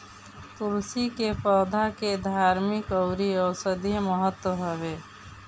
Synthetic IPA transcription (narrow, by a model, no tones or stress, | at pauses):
t̪ulsikepəːd̪ʱaked̪ʱaːɾmɪkɔʊɾiɔːɾsəd̪ʱiɦməɦət̪ːwəɦəbe